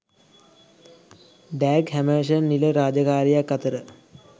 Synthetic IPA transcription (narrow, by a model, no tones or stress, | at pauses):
d̪æːɡɦæməːʃənːiləɾaːd͡ʒəkaːɾijakːat̪əɾə